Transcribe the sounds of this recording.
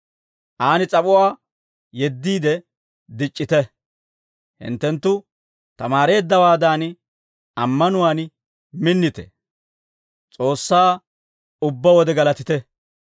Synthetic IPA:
ʔaːnɪt͡sʼɐpʼʊwaː | jɛd̪ːiːd̪ɛ | d̪ɪt͡ʃʼːɪt̪ɛ | hɪ̰nt̪ːɛnt̪ːʊ | t̪ɐmaːɾe̞ːd̪ːɐwaːd̪aːn | ɐmːɐnʊwaːn | mɪnːɪt̪ɛ̰ | t͡sʼo̞ːsːaː | ʊbːɐwɔd̪ɛɡɐlɐt̪ɪt̪ɛ

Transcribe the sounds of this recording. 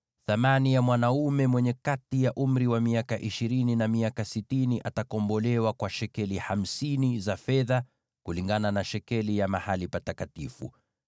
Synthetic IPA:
θamanijamwanaumɛmwɛɲɛkatijaʔum̩ɾiwamiakaʔiʃiɾininamiakasitiniʔatakɔmbɔlɛwakwaʃɛkɛliham̩sinizafɛða | kuliŋɡananaʃɛkɛlijamahalipatakatifṵ

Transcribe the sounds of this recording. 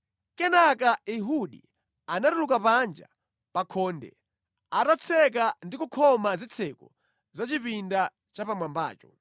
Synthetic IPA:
kɛnakaiɦuɗḭ | anaɾulukapand͡ʒa̰ | pakʰɔːndɛ̰ | atat͡sʰɛk̬andikukʰɔmazit͡sʰɛkɔ | zat͡ʃipinda | t͡ʃapamwamba̰ːt͡ʃɔ̰

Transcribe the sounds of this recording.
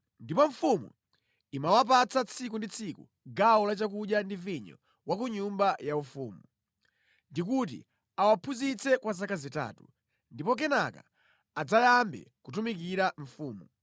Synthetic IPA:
ndipɔɱ̩fumṵ | imawap̬at͡sat͡sʰik̬undit͡sʰikṵ | ɡawɔlat͡ʃakuɗjandiviɲɔ̰ | wak̬uɲumbajaufuːmu | ndik̬ut̬ḭ | awapʰuzit͡sɛkwazakazita̰ːtu | ndipɔk̬ɛnaka̰ː | d͡zajambɛ̰kutumik̬iɾaɱ̩fuːmu

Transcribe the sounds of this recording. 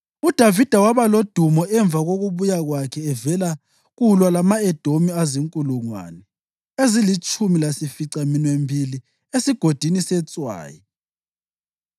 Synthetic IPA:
ud̥ʱavid̥ʱawaβalod̥ʱumɔɛɱb̪vʱaɣoɣuβujaɣwakʰɛːvɛla | ɣulwalamaɛd̥ʱomiaziŋkʼuluŋwa̰nɛ | ezilit͡ʃʼumilasifiǀaminwembʱili | esiɡ̥ʱod̥ʱinisɛt͡sʼwa̰ːji

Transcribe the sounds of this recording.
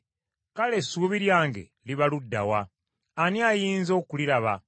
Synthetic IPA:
kale̞sːuβiɾjaːŋɡe̞̰ | liβaludːa̰wa | aniajiːnzo̞ːkuliɾaβa̰

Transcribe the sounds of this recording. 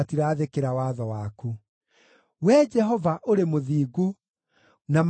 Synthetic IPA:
atiɾaːðekeɾawaðɔwaku | wɛd͡ʒɛɦɔvaʔoɾemoðiːɡu | nam

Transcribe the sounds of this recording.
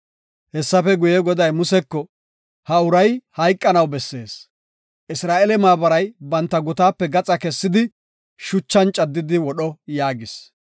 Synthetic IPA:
hɛsːɐfɛɡʊjɛɡɔd̪ɐjmʊsɛkːɔ | hɐʊɾɐjhɐjkʼːɐnɐwbɛsːe̞̰ːs | ʔɪsɾaːʔɛlɛmaːbɐɾɐjbɐnt̪ːɐɡʊt̪aːpːɛɡɐt͡sʼɐkɛsːɪd̪ɪ | ʃʊt͡ʃːɐnt͡ʃʼɐd̪ːɪd̪ɪwɔɗɔjaːɡɪs

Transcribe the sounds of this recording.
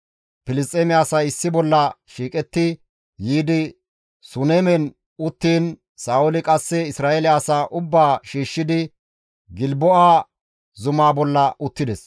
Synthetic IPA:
pɪlɪst̪ʼeːmɪaːsɐɪsːɪbɔlːɐʃiːkʼɛt̪ːɪ | jiːd̪ɪ | sʊnemɛn | ʊt̪ːiːn | saːʔʊlɪkʼɐsːɛɪsɾaːʔɛlɪaːsaːʔʊbːaːʃiːʃːɪd̪ɪ | ɡɪlbɔʔaː | zʊmaːbɔlːɐʔʊt̪ːɪd̪ɛs

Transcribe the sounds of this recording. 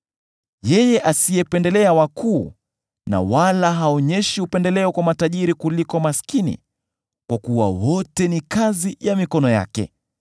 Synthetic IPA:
jɛjɛʔasijɛpɛndɛlɛawakʰuː | na̰walaɦaɔɲɛʃiupɛndɛlɛɔkwamataʄiɾikulikɔmaskinḭ | kwakuwa̰wɔtɛnikazijamikɔnɔja̰kɛ̰

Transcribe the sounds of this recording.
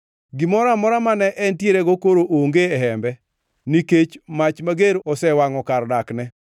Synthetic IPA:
ɡɪmɔɾamɔɾamanɛʔɛntjeɾeɡokoɾoʔoŋɡeɛɦɛmbɛ | niket͡ʃmat͡ʃmaɡeɾɔsɛwaŋɔkardaknɛ

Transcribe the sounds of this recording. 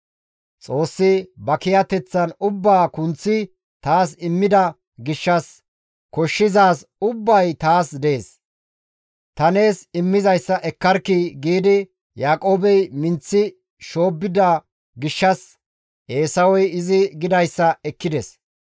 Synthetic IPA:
t͡sʼo̞ːsːɪbɐkɪjɐt̪ɛt͡sːɐnʊbːaːkʊnt͡sːɪ | t̪aːsɪmːɪd̪ɐ | ɡɪʃːɐs | kɔʃːɪzaːsʊbːɐjt̪aːsd̪eːs | t̪ɐne̞ːsɪmːɪzɐjsːɐʔɛkːɐɾkɪɡiːd̪ɪ | jaːkʼo̞ːbɛjmɪnt͡sːɪ | ʃo̞ːbːɪd̪ɐ | ɡɪʃːɐs | e̞ːsɐwɔjɪzɪɡɪd̪ɐjsːɐɛkːɪd̪ɛs

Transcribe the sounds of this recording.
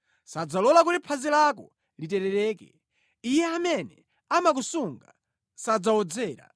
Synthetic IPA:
sad͡zalɔlak̬utipʰazilak̬ɔ̰ | litɛɾɛɾɛːkɛ̰ | ijɛamɛnɛ | amak̬usuŋɡa̰ | sad͡zaɔd͡zɛːɾa̰

